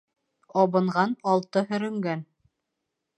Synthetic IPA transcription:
ɑβɤ̆ɴʁɑnɑlˠt̪ɤɦɵ̆ɾɘ̆ŋɡæn

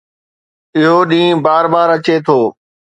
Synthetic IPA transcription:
ɪɦoɗĩːbaːɾbaːɾət͡ɕet̪ʰoː

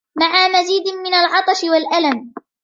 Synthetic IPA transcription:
maʕamaziːd̪ɪmɪnalʕɑt̪ˤɑʃwalʔalam

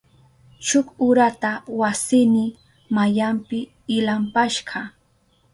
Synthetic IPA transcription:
t͡ʃʊkʊɾat̪awasɪnɪ | majampɪː | lampaʃɢɑ

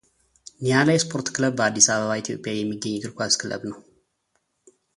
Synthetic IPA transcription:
nɨjalajspʰo̞ɾt̪kʰlɐbbad̪ːisaβɐβait̪ʰijo̞̰pʼjajɛmːiɡːɐɲːɡɨɾkʷaskʰɨlʔɐ̰βnɐw

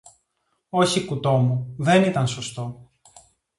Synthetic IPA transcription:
o̞çikut̪o̞muðenit̪ɐnso̞st̪o̞

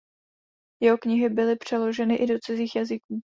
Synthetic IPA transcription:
jɛɦo̞kɲɪɦɪbɪlɪpr̝̥ɛlo̞ʒɛnɪʔɪdo̞t͡sɪziːxjazɪk̚uː

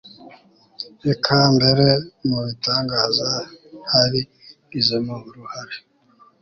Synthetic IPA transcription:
ekʰaːmbe̞ɾemuβitaːŋɡaːzahaɾiː | zemoβuɾuhaɾe

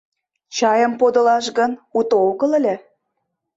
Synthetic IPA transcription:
t͡ɕɑjə̆mpod̪əlɑʃɣənut̪oɣə̆lə̆lʲe

